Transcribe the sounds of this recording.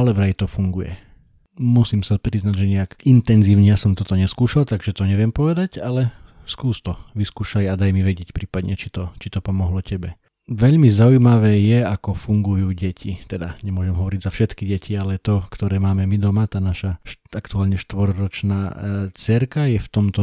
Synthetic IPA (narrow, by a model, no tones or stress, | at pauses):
alɛʋɾajt̪ɔfuŋɡujɛ̰ | musiːmsapɾiznaɟʒɛɲɛakint̪ɛnziːʊɲɛjasɔmt̪ɔt̪ɔɲɛskuːʃalt̪aɡʒɛt̪ɔɲɛʋɪɛmpɔʋɛd̪aɟalɛskuːst̪ɔʋiskuːʃajad̪ajmiʋɛɟɪɛcpɾiːpad̪ɲɛt͡ʃit̪ɔt͡ʃit̪ɔpɔmɔɦlɔcɛbɛ | ʋɛʎmizaujmaʋɛːjɛakɔfuŋɡujuːɟɛcʰit̪ɛd̪aɲɛmʊɔʒɛmɦɔʋɔɾiɟzafʃɛt̪kiɟɛcialɛt̪ɔkt̪ɔɾɛːmaːmɛmid̪ɔmat̪aːnaʃaʃakt̪uaːlɲɛʃt̪ʋɔɾɾɔt͡ʃna̰ːt͡sɛɾkajɛft̪ɔmt̪ɔ